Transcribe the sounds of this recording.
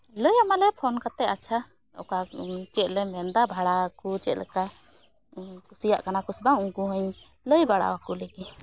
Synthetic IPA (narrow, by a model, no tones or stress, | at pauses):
ləjamalɛpʰɔnkat̪ɛat͡ʃʰa | ɔ̰kat͡ʃɛt̪̚lɛmɛnd̪abʱaɽakut͡ʃɛt̪lɛ̰ka | kusijaʔkanakusbaŋuɡuɦəɲ | ləjbaɽa̰wakuleɡi